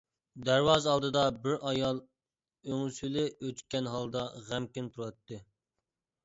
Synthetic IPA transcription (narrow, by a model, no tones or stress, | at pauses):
d̪æɾwɑzɑlˠd̪ɨd̪ɑbɪɾʔɑjɑlˠ | øŋsylɪøt̪kʲɛnɦɑlˠd̪ɑʁæmkʲint̪ʰuɾɑt̪ːɨ